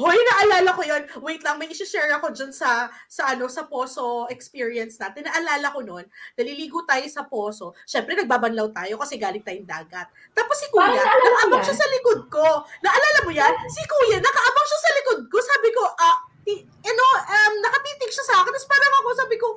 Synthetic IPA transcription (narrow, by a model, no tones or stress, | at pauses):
hojnɐʔɐlaːlɐkojonwɛjt̪lɐŋmɐjʔɪʃʊʃɛɹɐko̞d͡ʒɐnsɐsɐʔɐno̞sɐpoːso̞ɛkspiːɹiɐnsnaːt̪ɪnːɐʔɐlaːlɐko̞no̞nd̪ɐliliːɡʊt̪aːjosɐpo̞ːso̞ʃɛmpɾɛnɐɡ̚baːbɐnlɐwt̪aːjo̞kɐsɛɡaːlɪŋt̪aːjʊŋd̪a̰ːɡɐt̪̚ːaːposːɪkuːjaɐkɐʔɐmbaŋʃasɐlɪkod̪̚ko̞nɐʔɐlaːlɐmojansɪkuːjɐnɐkɐʔɐbaŋʃasɐlɪkod̪̚ko̞saːbɪko̞ʔɐt̪i | ʔɐno̞ʔɐmnɐkɐt̪iːt̪ɪɡʃɐsɐʔaːkɪnɐspaːɾɐŋɐko̞saːbɪko